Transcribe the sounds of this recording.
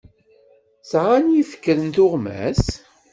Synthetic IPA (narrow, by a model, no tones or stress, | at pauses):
sʁanjifə̥kːəɾənt̪ʊʁmæ̰s